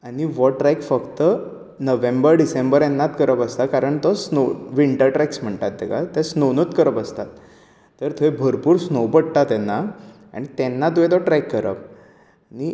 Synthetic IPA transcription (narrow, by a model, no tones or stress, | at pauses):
aɽ̃iʋɔʈɾajkfəkt̪ə | nəʋẽmbəɾɖisembəɾenːat̪kəɾəpəst̪akaɾəɳt̪ɔsnoʋiɳʈəɾʈɾɛksm̤əɳt̪at̪̚ːɛka̰t̪ɛ̃snonət̪kəɾəpəst̪at̪ː | əɾt̪ʰoebʱəɾpuːɾsnowpəɽt̪at̪ɛnːa | a̰ɽ̃it̪ɛnːat̪̬oẽt̪̬ɔʈɾɛjkːəɾə̰p | ani